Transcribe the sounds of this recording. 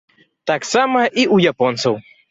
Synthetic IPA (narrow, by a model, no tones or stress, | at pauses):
t̪aksamɐʔiʔujapɔnt̪sɐw